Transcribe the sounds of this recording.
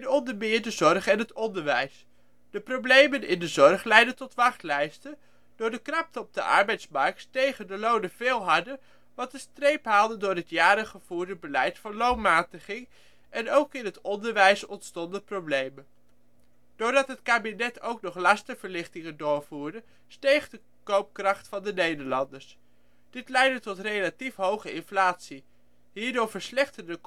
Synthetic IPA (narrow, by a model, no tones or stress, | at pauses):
nɔndəmɪːɹdəzɔɹχɛnɦətɔndəɹʋɛjs | d̥əprowblejmənɪndəzɔrχlɛjdəntɔtʋɑχtlɛjstə | d̥ʊːɹdəkrɑp̚təɔb̚də̰ʔɑ̰ɹbɛjtsmɑɹk̚ttejχəndəlownəv̥eːlˠɦɑdə | ʋɑtdəstrejpɦaːlˠdəndʊːɹɦətjaːɾəχəv̥uːɹdəbəlɛjtfɑnlownmaːtəχɪŋ | ʔɛnowkɪnɦətɔndəɹʋɛjsɔntstɔndəprowblejmə | d̥ʊːɹdɑtɦətkaːbinɛtowknɔχlɑstəv̥əɹlɪχtɪŋəndʊːɹvuːɹdə | stejχdə | kowp̚krɑχtfɑndənejdəɹlɑndəɹs | d̥ɪtlɛjdətɔtrejlatifɦowχəɪnflaːtsi | ɦiːɹdʊːɹvəɹslɛχtəndə